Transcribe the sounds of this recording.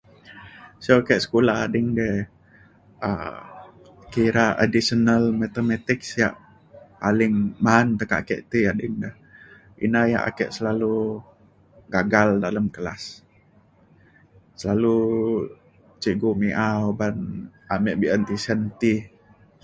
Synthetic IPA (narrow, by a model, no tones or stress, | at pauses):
sokɛʔsə̥kulaha̰dɪŋdɛ | ə̰ | kiɾaʔa̰disənalmat̪əmɛt̪ɪksjaʔ | palɪŋmaːnt̪əkaa̰kɛ̰ʔt̪iadɪŋdah | ḭnaja̰ʔa̰kɛ̰ʔsəlalu | ɡaɡaldaləmkəla̰s | əlalu | t͡ʃiɡumiʔaobanamɛʔbiənt̪isənt̪i